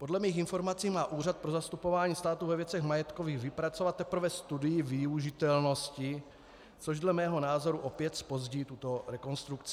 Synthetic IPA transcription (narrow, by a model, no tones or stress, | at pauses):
po̞dlɛmiːxɪnfo̞ɾmat͡siːmaːʔuːr̝at̪̚pɾo̞zast̪upo̞vaːɲiːst̪aːt̪uvɛvjɛt͡sɛɣmajɛt̪koviːɣvɪpɾat͡sovat̪ːɛpɾ̩vɛst̪udɪjɪvɪuʒɪt̪ɛlno̞scɪ | t͡so̞ʒdlɛmɛːɦo̞naːzo̞ɾuʔo̞pjɛt̪spo̞zɟiːt̪ut̪o̞ɾɛko̞nst̪ɾukt͡sɪ